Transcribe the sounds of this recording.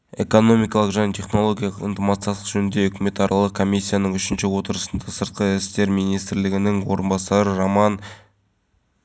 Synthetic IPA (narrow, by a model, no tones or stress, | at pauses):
e̞̰ko̞no̞mijkɑlˠəqʒænet̪ʰe̞χno̞lˠo̞ɡʲjɑlˠqə̰nt̪əmɑt̪səjɑsˠə̥qʒɵnɪnd̪e̞ɵkʲɪme̞t̪ɑɾɑlˠəqkʰo̞mʲijsʲːijanəŋʏʃɪnʃɪwo̞t̪əɾəsə̥nd̪ɑsəɾt̪̚qʰəɾɪst̪e̞ɾmijnijst̪ɾlɪɡʲɪnɪŋwo̞ɾənbɑsɑɾəɾomɑn